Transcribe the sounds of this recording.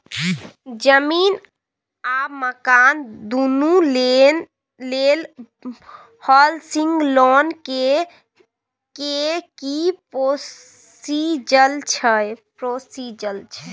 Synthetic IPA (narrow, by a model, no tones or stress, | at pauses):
d͡ʒəmin | aməkand̪unulen | lel | hɔlsĩŋɡlɔnke | kekipo | sid͡ʒəlt͡ʃʰəjpɾosid͡ʒəlt͡ʃʰə